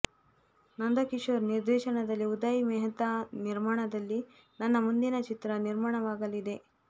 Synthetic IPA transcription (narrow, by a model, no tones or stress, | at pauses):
nɐnd̪ɐkiʂʋɐɾniɾd̪ɛːʃɐɳɐd̪ɐlːiud̪ɐjimɛːɦɐt̪ɐniɾmaːɳɐd̪ɐlːi | nɐnːɐmund̪inɐt͡ʃit̪ɾɐniɾmaːɳɐʋaːɡɐlid̪e̞